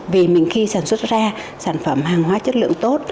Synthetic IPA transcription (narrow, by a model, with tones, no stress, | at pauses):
vi˨˩mï˨˩ŋ̟xi˧saː˧˩nswə˦˥t̚zaː˧ | saː˧˩nfə˧˩mɦaː˨˩ŋɦwaː˨˦t͡ɕə˦˥t̚lɨ̰˧˨əŋt̪o˦˥t̚